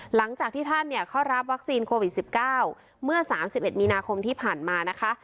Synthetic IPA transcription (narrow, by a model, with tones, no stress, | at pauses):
la˩˦ŋt͡ɕaː˨˩k̚t̪ʰiː˥˩t̪ʰa˥˩nːi˥˩ɐkʰa˥˩wɾa˦˥p̚wa˦˥k̚siː˧nkʰoː˧wi˨˩t̪̚si˨˩p̚kaː˥˩w | mɯ˥˩ɐsaː˩˦msi˨p̚ʔe˨˩t̪̚miː˧naː˧kʰo˧mt̪ʰiː˥˩pʰaː˨˩nmaː˧na˦˥kʰa˦˥ʔ